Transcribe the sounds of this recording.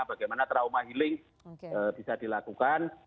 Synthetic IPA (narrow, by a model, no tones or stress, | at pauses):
baɡajmanat̪ɾaumaɦilɪŋ | əːb̥isadilakukan